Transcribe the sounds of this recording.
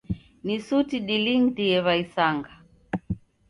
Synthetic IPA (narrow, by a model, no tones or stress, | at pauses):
nisutiɗiliŋtiɛβaisaŋɡa